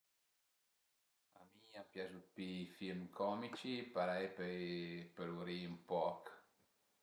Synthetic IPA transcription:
amiapjasut̪̚pifilmkʰɔmit͡ʃipaɾajp | pəɾuɾiumpɔk

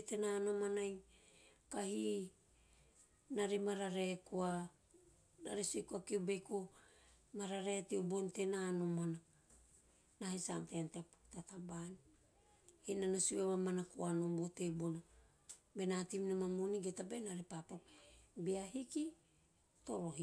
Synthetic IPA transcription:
tenaːno̞manaj | kahi | naɾemaɾaɾe̞kua | na̰ɾesuekuakiubejko | maɾaɾetiubontenaːnomana | nahesamtenteptatabani | hinanosueβamanakuanobotebona | be̞natimnamamuniɡetabenaɾepapakbiaɦiki | to̞ɾo̞ɦi

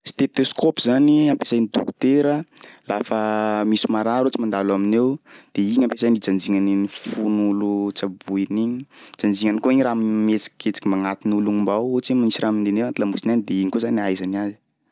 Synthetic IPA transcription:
st̪et̪oskopizaniampesajnit̪ṵku̥t̪eɾəlafəmisimaɾaɾut͡simand̪alaminewd̪̥eiɲampesajnid͡zand͡ziŋaninifunulut͡sabuiniɲid͡ʒand͡ziŋanikoiɲiɾammet͡si̥ki̥kʰet͡si̥kʲimaŋat̪inuluŋimbawot͡simanisiraminenewant̪ilamusinanid̪eiɲkozanajzaniazi̥

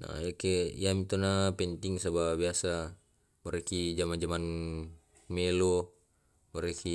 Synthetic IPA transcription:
na̰jakeḭjamit̪onapɛnt̪iŋsababiasa | mɔɾekid͡ʒamand͡ʒaman | melo | mɔɾeki

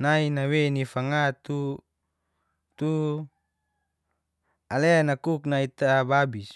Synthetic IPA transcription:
nainawenifaŋat̪u | t̪u | aleanakuknait̪ababis

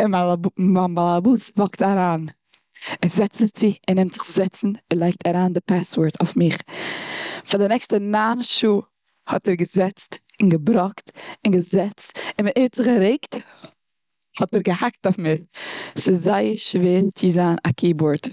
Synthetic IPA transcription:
ɪabanbalˠabuːsvɔktaɾaːn | ɪzɛt͡sɪt͡sɪɪnːɪmtz̥ɪχzɛt͡sn̩ɪlˠaɪk̚tʰaɾaːndɪpaswɔɾtʰaʊfmɪχ | fadɪnɛkstənaːnʃuː | hɔtɛɾɡəzɛt͡stɪnɡəbɾɔktɪnɡəzɛt͡stɪnmɪetz̥ɪχɡəɾeɪkt | hɔtɛɾɡəhak̚taʊfmɪχsɪzzaɪəʃveːɾt͡sɪzaːnakʰiːbʊɾt

